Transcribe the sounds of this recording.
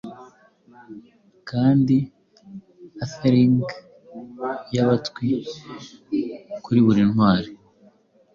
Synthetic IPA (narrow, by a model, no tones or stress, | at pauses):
kaːndi | afeɾiŋɡ | jaβatkwi | kuɾiβuɾinhwaːɾi